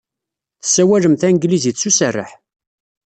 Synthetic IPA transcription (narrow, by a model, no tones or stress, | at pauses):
θə̥sːæwæləmθænɡlizit͡sːusərːə̰ħ